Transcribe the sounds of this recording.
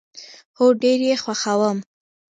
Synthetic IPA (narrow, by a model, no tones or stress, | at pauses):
xoɖeɾjexwaxawəm